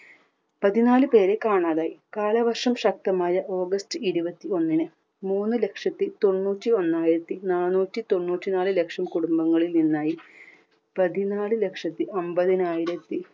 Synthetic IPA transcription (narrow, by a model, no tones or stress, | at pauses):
pɐðinaːlɨpe̞ːɾekaːɳaːðaːjikaːlɐʋɐrʂɐmɕɐk̚t̪ɐmaːjɐʔo̞ːɡɐstɨiɾubɐt̪ːio̞nːinɨ | muːnːɨle̞kʂɐt̪ːit̪o̞nːuːtːio̞nːaːjiɾɐt̪ːinaːnuːtːit̪o̞nːuːtːinaːlɨle̞kʂɐmkuɽumbɐŋːɐɭilninːaːji | pɐðinaːlɨle̞kʂɐt̪ːiʔombɐðinaːjiɾɐt̪ːi